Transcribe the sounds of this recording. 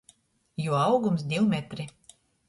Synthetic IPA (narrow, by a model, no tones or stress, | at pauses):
juɔɑwɡums̬d̪ʲiwmɛt̪ɾi